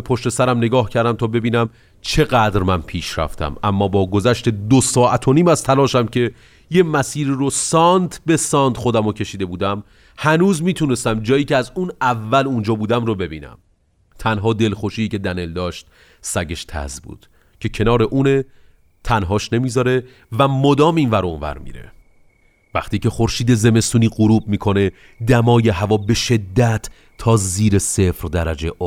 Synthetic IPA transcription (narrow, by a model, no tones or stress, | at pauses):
pʰoʃt̪e̞sæɾæmne̞ɡɒːhcʰæɾd̪æmt̪ʰɒːbe̞biːnæm | t͡ʃʰe̞ɣæd̪ɾmænpʰiːʃɾæ̰ft̪ʰæ̰mʔæmːɒːbɒːɡozæʃt̪e̞d̪osɒːʔæt̪ʰoniːmæzt̪ʰælɒːʃæmcʰe̞ | jemæsiːɾirosɒːnt̪ʰbe̞sɒːnd̪̥xod̪æmocʰe̞ʃiːd̪e̞buːd̪æm | hænuːzmiːt̪ʰuːne̞st̪æmd͡ʒɒːjiːceæzunævːælund͡ʒɒːbuːd̪æmrobe̞bḭːnæ̰m | t̪ʰænɦɒːd̪e̞lxoʃiːcʰe̞d̪æne̞ld̪ɒːʃt̪̚ | sæɟe̞ʃt̪ʰæ̰zbṵːd̪̥ | cʰe̞cʰe̞nɒːɾe̞ʔuːne̞ | t̪ʰænɦɒːʃne̞miːzɒɾe̞ | væmod̪ɒːmiːnvæɾonvæ̰ɾmḭːɾe̞̰ | væ̰χt̪iːcʰe̞χoɾʃiːd̪e̞ze̞me̞st̪uːniːɢoɾuːb̚miːkʰo̞ne̞ | d̪æmɒːje̞ɦævɒːbe̞ʃe̞d̪ːæt̪ʰː | ɒːziːɾese̞fɾd̪æɾæd͡ʒeʔo